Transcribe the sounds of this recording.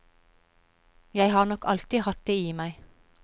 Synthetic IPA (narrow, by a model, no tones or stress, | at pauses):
jæɪhɑːʁnɔkʰɑlt̪ɪhɑt̪̚d̪eːiːmæɪ